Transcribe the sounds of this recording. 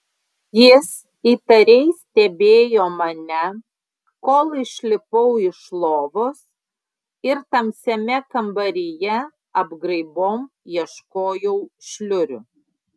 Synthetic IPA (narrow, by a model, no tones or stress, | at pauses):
jɪs | iːt̪ɐɾʲɛɪst̪ʲɛbʲeːjoːmɐnʲɛ | koːlˠɪʃʲlʲɪpɔʊɪʃlˠoːʋos | ɪɾt̪ɐmsʲɛmʲɛkɐmbɐɾʲɪjɛ | ɐbɡɾɐɪboːmjiɛʃkoːjɛʊʃʲlʲʊɾʲʊ